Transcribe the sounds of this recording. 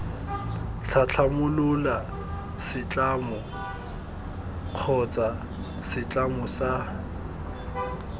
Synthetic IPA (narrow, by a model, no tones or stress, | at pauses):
t͡ɬʰat͡ɬʰamʊlʊla | sɪt͡ɬʼaːmɔ | q͡χʰɔt͡sʼa | sɪt͡ɬʼamɔsa